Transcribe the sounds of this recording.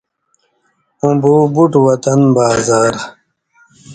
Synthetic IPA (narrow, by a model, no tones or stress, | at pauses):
ũbuːbuʈwɐt̪ɐnbaːzaːɾ